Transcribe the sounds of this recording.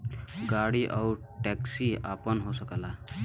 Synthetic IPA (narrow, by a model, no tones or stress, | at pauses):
ɡaɽiʔaw | ʈɛksia̰pənɦosəkəla